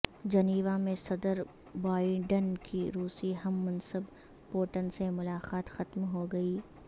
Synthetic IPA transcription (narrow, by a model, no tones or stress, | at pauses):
d͡ʒɐniːʋamẽsɐd̪əɾ | baːɪɖənkiɾuːsiɦɐmːɐ̃nsəb | poːʈənsemʊlaːqaːt̪xɐt̪mɦoɡɐiː